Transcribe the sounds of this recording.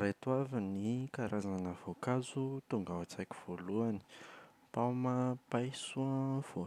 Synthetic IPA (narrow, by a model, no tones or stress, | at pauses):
ɾet̪uavinikaɾʔazanəvokazut̪uŋɡawat͡sakʲi̥v̥oluani̥ | pamapajsuə̃v̥o